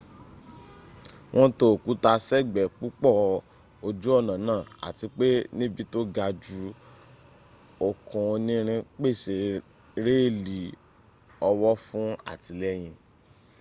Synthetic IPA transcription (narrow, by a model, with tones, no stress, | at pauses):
w̃ʔɔ̃˦to˦o˨ku˨˦ta˧sɛ˦ɡ͡bɛ˨k͡pu˦k͡pɔ˦˨ | o˧d͡ʒu˦ɔ˦˨nã˨nãː˦˨a̰˨ti˧k͡pe˦nĩ˦bi˧˦to˦ɡa˧d͡ʒu˧ | o˨kũ˨˧nĩ˦ɾ̃ĩ˧k͡pe˦˨se˨ | ɾe˦˨li˨ | ɔ˧wɔ˦fũ˦a̰˦˨ti˨lɛ˦j̃ĩ˧